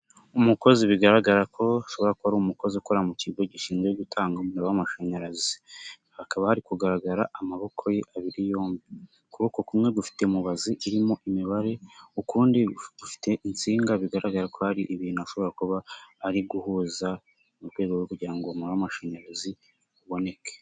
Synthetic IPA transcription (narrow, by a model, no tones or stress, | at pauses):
umuko̞ziβiɡaɾaɡaɾakʰo̞aʃo̞βo̞ɾakoaɾuːmuko̞zikoɾamuciɡo̞ɟiʃiːnɡweɡutʰaːŋɡamuɾowamaʃoɲaɾazi | hakaβahaɾikuɡaɾaɡaɾaʔamaβo̞kʰo̞jeʔaβiɾijo̞ːmbi | kuβokokumŋe̞ɡufi̥te̞muβaziʔiɾimo̞ʔimiβaɾe̞ukuːndiɡufi̥te̞ʔint͡siːŋɡaβiɡaɾaɡaɾako̞haɾiʔβiːnuaʃo̞βo̞ɾakuβaːɾiɡuhuːza | mutwe̞ːɡookuɟiɾaŋɡomuɾawamaʃaɲaɾazi | uβo̞ne̞ke̥